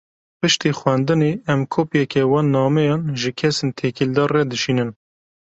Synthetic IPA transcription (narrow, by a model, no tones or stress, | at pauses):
pɨʃt̪ixwɛnd̪ɨneɛmkʰoːpjɛkɛwɑːnːɑːmɛjɑːnʒɨkʰɛsent̪ʰekild̪ɑːrːɛd̪ɨʃiːnɨn